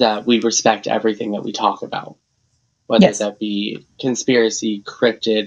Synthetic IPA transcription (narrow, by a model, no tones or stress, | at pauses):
ðət̚wiɹɨspɛk̚tɛ̰vɹiθɪ̰̃ŋðə̰ʔ̚wḭtʰɔkɨba̰ʊt̚ | wɛðə˞ðɨt̚b̥ikʰɨ̃nspɪɹɨsikʰɹ̥ɪp̚tɪd